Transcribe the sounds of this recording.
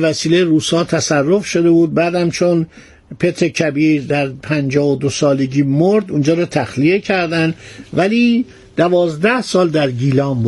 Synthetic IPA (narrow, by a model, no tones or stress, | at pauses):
væsiːlejeɾuːsɒːt̪ʰæsærːo̞fʃo̞d̪e̞buːd̪̚bæːd̪æmt͡ʃʰo̞n | pʰe̞t̪ʰɾecʰæbiɾd̪æɾpʰænd͡ʒɒːvod̪osɒːle̞ɟiːmoɾd̪und͡ʒɒːɾɒːt̪ʰæxlie̞cʰæɾd̪ænd̪væliː | d̪̥ævɒːzd̪æhsɒːld̪æɾɡiːlɒːmb